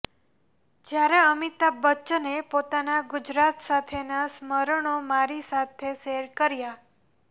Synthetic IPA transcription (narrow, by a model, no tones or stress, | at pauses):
d͡ʒjaɾeəmit̪abətːʃnepot̪anaɡʊd͡ʒɾat̪sat̪ʰenasməɾəɳ̃omaɾisat̪ʰeseɾkəɾja